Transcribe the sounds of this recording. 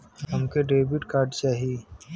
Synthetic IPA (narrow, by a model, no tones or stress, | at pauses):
ɦɐmkeɖeːbiʈkaːɾɖt͡ʃaːɦiː